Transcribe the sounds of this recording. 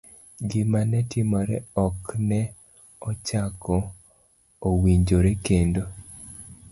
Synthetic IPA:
ɡɪmanɛtimɔɾɛ̰ɔknɛ | ɔt͡ʃakɔ | owiɲd͡ʒoɾekendo

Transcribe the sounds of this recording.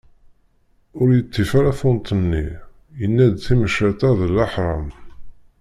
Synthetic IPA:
ʊɾjət̪ːifaɾæfʊnt̪ˤənːi | jənːæd̪θiməʃæt̪æðəlːɑħɾˤɑm

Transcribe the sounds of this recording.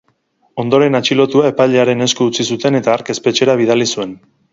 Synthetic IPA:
o̞nd̪o̞ɾe̞nat͡ʃilo̞t̪uae̞paʎeaɾe̞ne̞skuːt͡sisut̪e̞ne̞t̪aːɾke̞spe̞t͡ʃe̞ɾaβ̞ið̞alisue̞n

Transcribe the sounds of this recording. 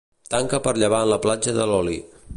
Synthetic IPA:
t̪aŋkəpəɾʎəβ̞aənləplad͡ʒəðəlɔli

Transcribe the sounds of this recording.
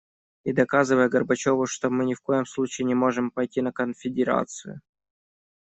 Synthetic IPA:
id̪ɐkazɨvəjəɡərbɐt͡ɕo̞vʊʂt̪omɨnʲɪfko̞jɪmslˠut͡ɕɪːɪnʲɪmo̞ʐɨmpɐjtʲinəkənfʲɪdʲɪɾa̰t̪sɨjʊ̰

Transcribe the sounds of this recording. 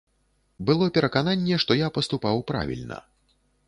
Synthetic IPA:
bɨlˠɔpʲɛɾɐkananʲːɛʂt̪ɔjapɐst̪upawpɾa̰vʲḭlʲnɐ̰

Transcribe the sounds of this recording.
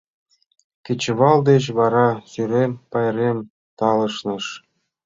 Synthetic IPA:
kʲet͡ɕɘʋɑlˠd̪ʲeɕʋɑɾɑsyɾʲempɑjrʲemʲ | t̪ɑlˠɤ̆ʂnɤ̆ʂ

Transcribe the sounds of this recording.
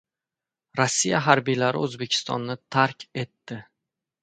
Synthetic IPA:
ɾɒsːijaɦaɾbijlaɾɪ̰ɵzbekʲʰɪ̥st̪ɒ̰nːɪt̪ʰaɾkʲe̞t̪ːɪ

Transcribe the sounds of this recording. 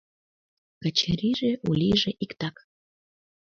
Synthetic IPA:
kə̆t͡ɕəɾiʒeʔulʲiʒeʔikt̪ɑk

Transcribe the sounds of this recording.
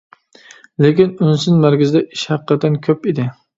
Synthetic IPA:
lekʲɪnynsɪnmæɾɡʲɪzɪd̪ɛʔiʃhæqːɑt̪ʰːɛnkʲʰøpid̪ɪ

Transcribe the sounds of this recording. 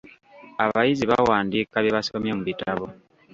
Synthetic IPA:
aβajiziβawaːndikaβjeβasiβomjomuβitaβo

